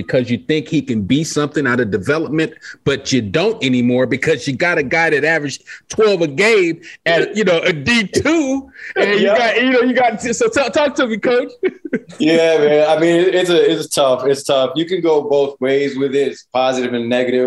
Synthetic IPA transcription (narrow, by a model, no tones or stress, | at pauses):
bɨkʰʌzjɨθɪ̃ŋkhikɨ̃nbisʌ̃mθɪ̃ŋaɾɨvdɨvɛlˠəp̚mɨ̃nb̥ʌt͡ʃɨdõʊ̃ntɛnimɔɹbɨkʰʌzjɨɡɑɾɨɡaɪɾɨɾævɹɨ̥ʒ̥tʰw̥ɛlˠvɨɡeɪmɨɾjɨnoʊʔɨditʰuɨ̃njɨɡɑjɨnoʊjɨɡɑtsoʊtʰɔtʰɔk̚tʰɨmikʰoʊt͡ʃjææaɪmĩnɪɪtsɨɪtstʰʌfɪtstʰʌfjɨkɨ̃nɡoʊboʊθweɪzwɪðɪtspʰɑzɨɾɨvɨ̃nːɛɡɨɾɪ